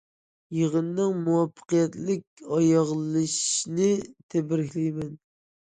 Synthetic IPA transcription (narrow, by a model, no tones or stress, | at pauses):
jəʁənːɨŋmuwɑpʰːə̥qijɛt̪lɪk̚ʲɑjɑʁlˠɨʃnɨt̪ʰɛbɪɾɪkʲlijmɛn